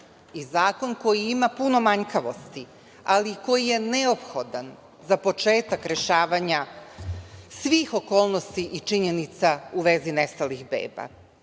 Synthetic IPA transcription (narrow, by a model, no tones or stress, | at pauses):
izaːko̞nko̞jiimapuno̞maɲkaʋo̞st̪i | aliko̞jije̞ne̞o̞pxo̞d̪an | zapo̞t͡ʃe̞ːt̪akɾe̞ʃaːʋaɲa | sʋiːxo̞ko̞ːlˠno̞st̪iʔit͡ʂiɲe̞nit̪sauʋe̞zinest̪alixbḛːba̰